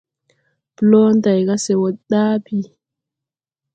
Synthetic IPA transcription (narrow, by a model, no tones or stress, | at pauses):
plɔntajkasɛwɔɗaːpi